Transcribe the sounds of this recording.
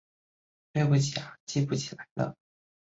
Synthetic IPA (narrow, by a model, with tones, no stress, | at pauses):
ʈ͡ʂe˥˧pu˥˩t͡ɕʰi˨˩a˨˩t͡ɕi˥pu˥˩t͡ɕʰi̥˨˩la˧˥ɪlə̰˧